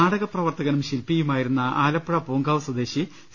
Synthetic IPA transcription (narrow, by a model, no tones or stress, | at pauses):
aːɽɐɣɐprɐʋɐrt̪ɐɣɐnumɕilpijumaːjiɾunːɐaːlɐpːɐɻɐpoːŋɡaːʋsɐd̪eːɕi | s